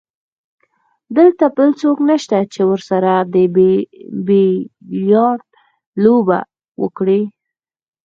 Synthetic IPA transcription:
d̪əlt̪apəlt͡soknaʃt̪at͡ʃewəɾsaɾad̪əbebejɑɾd̪̚ | loba̰ | wə̰kɽi

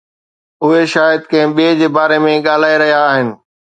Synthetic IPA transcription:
ʊɦeʃaːjəd̪̚kɐ̃ɦɪ̃ɓied͡ʑeːbaːɾemẽɠaːl̤aːeɾɐɦijaːɦɪnɪ̆

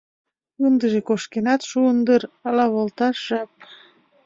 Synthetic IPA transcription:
und̪ə̆ʒekoʃkenɑt̪ʃuənd̪əɾɑlɑβolˠt̪ɑʒ̥ɑp̚

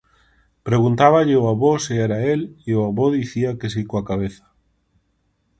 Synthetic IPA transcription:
pɾeɣunt̪aβ̞aʎɪoaβoseɛɾaelioaβoðiθiakesikoakaβ̞eθḁ

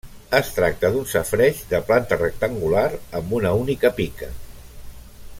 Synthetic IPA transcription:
əst̪ɾak̚t̪əðunsəfɾɛʃðəplant̪ərək̚t̪əŋɡulaɾəmbunəunikəpikə

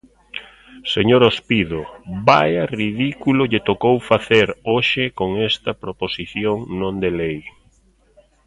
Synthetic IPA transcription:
seɲoɾospiðobajɐriðikulʊʎɪt̪okowfaθeɾoʃɪkoŋest̪ɐpɾoposiθjoŋnõnd̪elej

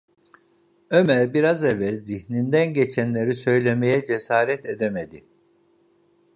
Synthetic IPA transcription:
ømælʲbiɾazevælʲziçnind̪ænɟe̞t͡ʃʰænlʲe̞ɾisø̞jlʲe̞me̞jɛd͡ʒe̞saːɾɛt̪ed̪emed̪i

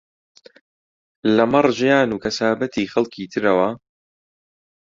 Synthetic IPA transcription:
lɐmɐrˤʒɪjaːnuːkʰɐsaːbɐt̪ʰiːxɐlkʰiːt̪ʰɨɾɐwɐ

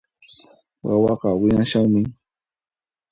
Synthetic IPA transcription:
wawɑqɑwɪnaʃaŋmɪ

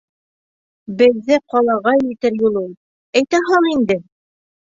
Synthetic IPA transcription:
bɘ̆ðːɘqɑlˠɑʁɑjɘ̆t̪ɘɾjulˠulˠ | æjt̪æɦɑɴind̪ɘ

